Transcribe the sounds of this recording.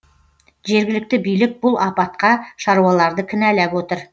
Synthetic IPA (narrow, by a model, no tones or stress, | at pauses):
ʒe̞ɾɡʲɪlɪk̚t̪ɪbijlɪk̚bʊlˠʔɑpɑt̪̚qɑʃɑɾuwɑlˠɑɾd̪əkʲʰɪnælæpwot̪əɾ